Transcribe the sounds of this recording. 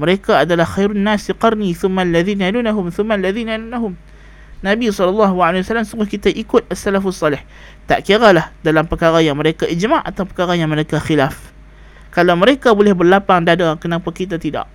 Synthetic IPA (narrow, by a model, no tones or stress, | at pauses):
məɾekaːdalahxajɾʊnːasiqɑrniθʊmːalːaðiːnaalunaɦʊmθʊmːalːaðiːnaalunaɦʊm | nabisɔlːɑlːɑɦaalewasalːamsuɡʊhkit̪aʔikʊt̪̚asːalafasˤːɑlɪh | t̪a̰ʔkiaɣalahdalampəkaɾajaŋməɾekaʔid͡ʒmaʔa̰t̪awpəkaɾajaŋməɾekaxilaf | kalawməɾekabolɛhbərlapaŋdadakənampakit̪̬at̪ida̰ʔ